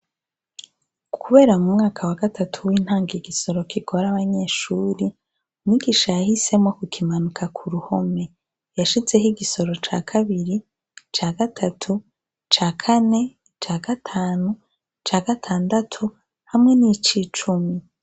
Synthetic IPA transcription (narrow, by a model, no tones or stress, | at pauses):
kʰuβe̞ːɾamumŋaːkʰawaɡatʰatʰuwiːn̥haːŋɡiɡiso̞ɾo̞kʰiɡo̞ɾaβaɲe̞ːʃuːɾi | umɲiɡiʃajahise̞mŋo̞kukʰimanukʰakʰuɾuho̞me̞ | jaʃize̞hiɡiso̞ɾo̞t͡ʃa̰ːkʰaβiɾi | t͡ʃaːɡatʰatʰu | t͡ʃaːkʰane̞ | t͡ʃaːɡ̥atʰaːnu | t͡ʃaːɡatʰaːndatʰu | hamŋe̞nit͡ʃiːt͡ʃumi